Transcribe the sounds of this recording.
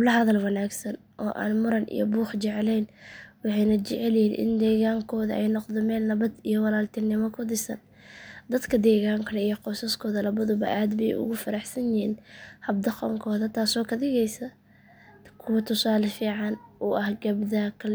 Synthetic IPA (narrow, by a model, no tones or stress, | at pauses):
hblɐɦɐðɐlwɑnaːɡsɐn | ʔɔːʔa̰ːnmʊɾɐnʔḭjɔ̰buːħt͡ʃɛʕlɛjnwɑħɑjnɐt͡ʃɛʕɛljɪhiːnʔɪ̰nd̪ɛːɣaːŋkʰɔːðɐ̰ʔɛjnɔqd̪ɛmɛːlnɐβɐd̪ijɔwɑlaːlt̪ʰɪnɪmɔkʰʊd̪ɪsɐ̰n | d̪ɐd̪kʰɐd̪ɛːɣaːŋkʰɐlɛijɔqɔsɐskʰɔːðɐlɐβɐðʊbɐ̰ʔaːd̪bɛjʊ̰ɣʊfɐɾɑħsɐnjɪhiːnhɐb̚d̪ɐqɔŋkʰɔːðɐt̪ʰaːsɔːkʰɐd̪ɪɣɛjsɐ | kʰʊwɐt̪ʰʊsaːlɐfiːʕɑnʊːʔɐhɡɐbd̪akʰɐl